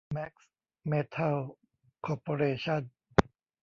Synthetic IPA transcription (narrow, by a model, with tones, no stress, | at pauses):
mɛ˦˥k̚s | meː˦˥t̪ʰa˥˩l | kʰɔː˧poː˧ɾeː˧t͡ɕʰa˥˩˨n